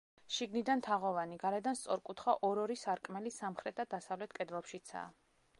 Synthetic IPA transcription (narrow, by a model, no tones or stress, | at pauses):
ʃiɡnid̪ant̪ʰaʁɔvaniɡaɾɛd̪anst̪sʼɔɾkʼut̪ʰχaʔɔɾɔɾisaɾkʼmɛlisamχɾɛt̪̚ʰd̪ad̪asavlɛt̪ʰkʼɛd̪vˠɔpʃit̪sʰa̰ː